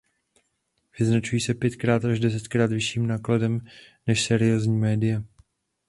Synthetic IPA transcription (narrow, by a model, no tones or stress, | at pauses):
vɪznat͡ʃujiːsɛpjɛt̪kɾaːt̪ʔaʒdɛs̬ɛt̪kɾaːt̪vɪʃiːmnaːkladɛmnɛʃsɛɾɪjo̞ːzɲiːmɛːdɪjɛ